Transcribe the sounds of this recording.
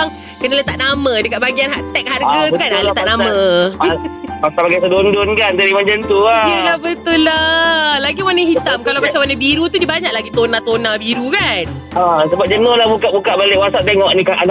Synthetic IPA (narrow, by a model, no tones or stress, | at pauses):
aŋ | kənalət̪aʔnamə̃dəkat̪̚baɡianɦaʔt̪ɛk̚harɡat̪ukanalət̪aʔnamə | pasabaɡajs̬ədondʊnkant̪əɾimad͡ʒənt̪uajəlahbət̪ʊlːalaɡimanəɦit̪amkalawmat͡ʃamanə̃biɾut̪udibaɲaʔlaɡit̪onat̪onabiɾukan | asəbap̚d͡ʒənolahbukaʔbukaʔbaleʔwasaʔt̪eŋɔʔnĩkaʔan